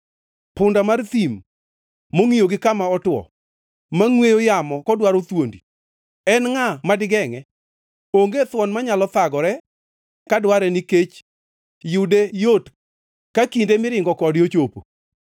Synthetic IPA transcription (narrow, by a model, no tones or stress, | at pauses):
pʊndamart̪im | moŋijoɡɪkamaɔtwɔ̰ | maŋwejojamɔkɔdwaɾot̪wondi | ɛnŋamadɪɡɛŋɛ | oŋɡet̪wɔnmaɲalɔt̪aɡɔɾɛ | kadwaɾɛniket͡ʃ | jʊdejot | kakindemɪɾɪŋɡɔkɔdot͡ʃopo̰